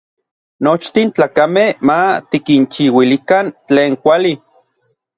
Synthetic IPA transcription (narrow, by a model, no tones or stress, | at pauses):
not͡ʃt̪int͡ɬaːkamehmat̪ikint͡ʃiwilikant͡ɬeːŋkʷali